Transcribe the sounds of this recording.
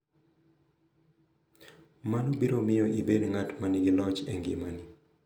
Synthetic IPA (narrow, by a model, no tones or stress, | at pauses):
manobiɾomɪjɔʔibedŋatmanɪɡɪlɔt͡ʃḛŋɡɪ̰mani